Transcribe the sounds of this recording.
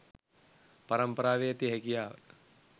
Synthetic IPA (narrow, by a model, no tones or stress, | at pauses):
pɐɾɐmpɐɾaːʋeːt̪iɦɐkijaːʋə